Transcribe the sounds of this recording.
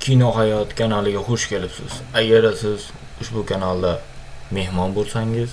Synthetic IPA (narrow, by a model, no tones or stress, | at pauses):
kʲʰinɒɦajɒt̪kʲʰanalˠɪɡʲaχoʃkʲʰe̞lɪpsɪz̥aɡʲaɾd̪asɪz | ʊʃbʊkʰanalˠd̪ame̞hmɒnbolˠsaŋɪz̥